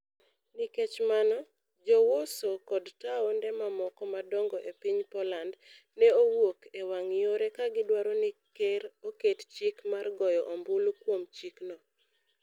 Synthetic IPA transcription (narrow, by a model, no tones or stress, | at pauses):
niket͡ʃmanɔ | d͡ʒɔwosokɔdtaɔndɛmamɔkɔmadɔŋɡɔʔepiɲpɔland | nɛowokewaŋjoɾɛkaɡɪdwaɾonikeɾokett͡ʃikmarɡɔjɔʔombʊlkwomt͡ʃiknɔ